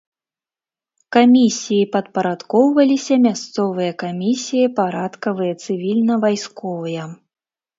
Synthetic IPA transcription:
kamʲisʲijipɐt̪pɐɾat̪kɔwvɐlʲisʲɐmʲast̪sɔvɨjɐkamʲisʲijɐpaɾat̪kɐvɨjɐt̪sɨvʲilʲnɐvajskɔvɨjɐ

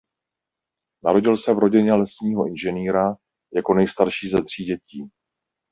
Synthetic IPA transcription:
naɾo̞ɟɪlsɛvɾo̞ɟɪɲɛlɛsɲiːɦo̞ʔɪnʒɛniːɾa | jako̞nɛjst̪aɾʃiːzɛt̪r̝̥iːɟɛciː

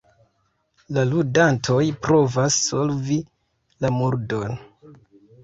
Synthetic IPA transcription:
laludantʰo̞jpɾo̞vasːolvi | lamuɾdon

